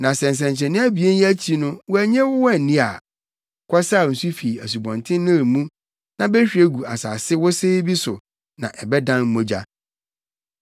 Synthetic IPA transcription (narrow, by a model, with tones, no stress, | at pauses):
nã˨sɛ̃˨n̩˨s̬ɛ̃˨n˨t͡ɕʰɛ̃˨nɪ̃˦æ˦bi˨e˦n˦æ˦t͡ɕʰi˦nʊ̃˦wɔ˦æ˨ɲɛ̃˦wʊ˦wɔ˦˨n˨nĩ˦a̰˨ | kʰɔ˦sa˦˨n̩˨su˦fi˨æ˨s̬u˨bɔ̃˨ntʰɪ̃˦n˦nʊ̃˦˨mũ˦ | nã˨be˦ɕᶣi˨˦e˦ɡu˨a˨sa̰ː˨sɪ˦wɔ˦seː˦bi˦sʊ˨ | nã˨ʔɛ˨bɛ˦dã˦nm̩˦mõ˦d͡ʑa̰˨